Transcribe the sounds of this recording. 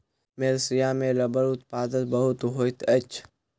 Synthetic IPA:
meːlsijaːmẽɾɐbəɾʊt̪paːd̪ət̪̚bɐɦʊt̪ɦoːt̪ɐt͡ʃʰ

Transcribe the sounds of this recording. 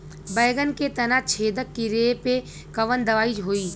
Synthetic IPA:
bɐːɡənket̪ɐnat͡ʃʰeːd̪əkːiɾeːpe | kɐʋənd̪ɐʋaːid͡ʒɦoːiː

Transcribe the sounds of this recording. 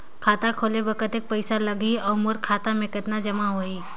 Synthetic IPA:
kʰaːt̪akʰoːleʋɐkət̪eːk̚pɐɪsalɐɡiɔːɾmoɾkʰaːt̪amẽkɪt̪nad͡ʒɐmaɦoːiː

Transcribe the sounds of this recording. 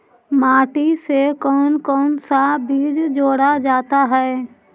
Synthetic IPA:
maːʈisekɔːnkɔːnsabiːd͡ʒd͡ʒoːɽad͡ʒaːt̪aɦɛː

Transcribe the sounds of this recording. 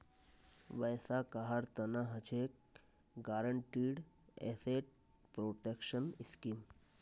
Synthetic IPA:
ʋəjsakaɦaɽt̪ənaɦət͡ʃʰek̚ | ɡaɾəɳʈiːɽ | ḛseʈ̚ | pɾoːʈekʃəniskiːm

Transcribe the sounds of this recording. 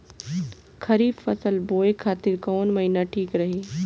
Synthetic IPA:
kʰɐɾiːbfɐsəlboːekʰaːt̪ɪɾkɔːnmɐɦinaʈʰiːkɾɐɦeː

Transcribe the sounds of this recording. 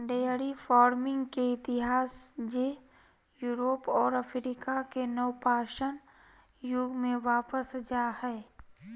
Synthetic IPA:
ɖejəɾifɔːɾmɪ̃ŋɡkeɪt̪ɪɦaːsd͡ʒe | juːɾoːpɔːɾəfʰɾiːkakenəwpaːʃən | jʊɡmẽʋaːpəsd͡ʒaːhɛː

